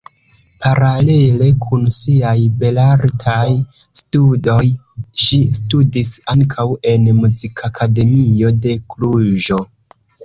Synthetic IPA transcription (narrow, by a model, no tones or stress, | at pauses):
pʰaɾale̞le̞kʰunsiajbe̞laɾtʰaj | studo̞j | ʃistudisaŋkʰawe̞nmuzikʰakʰade̞mio̞de̞kluʒo̞